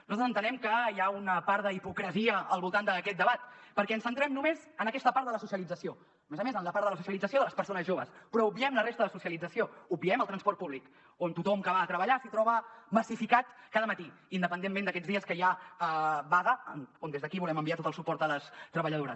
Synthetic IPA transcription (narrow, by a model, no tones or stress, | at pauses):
nzt̪zənt̪ənɛmkəjaunəpaɾd̪əipukɾəziəːlˠβulˠt̪and̪əkɛt̪̚d̪əβat̪pəɾkɛənsənt̪ɾɛmnumezənəkɛst̪əpaɾt̪d̪ələsusjəlid͡zəsio | mezəmezənləpaɾt̪ələsusiəlid͡zəsioðələspəɾsonəzʒoβəspɾɔub̚biɛmlərest̪əðəsusiəlid͡zəsioub̚biɛməlˠt̪ɾənspɔɾrt̪̚puβlik | ont̪ut̪ɔmkəβat̪ɾəβəʎasit̪ɾɔβəməsifikat̪kaðəmət̪iind̪əpənd̪emːend̪əkɛd͡zðiəskəʒaəβaðəə̰nond̪ezðəkiβulɛməmbiat̪ot̪əlˠsupɔɾt̪ələst̪ɾəβəʎəðoɾəs